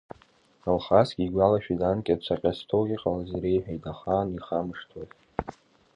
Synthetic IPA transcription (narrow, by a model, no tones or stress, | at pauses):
alχasɡʲʼiɡʷalaʃᶣidankʲʼat͡ʃʷʰaqʲʼastʰowʁʲiqʼalazɾejħᶣajdaχaniχamɨʂtʰaz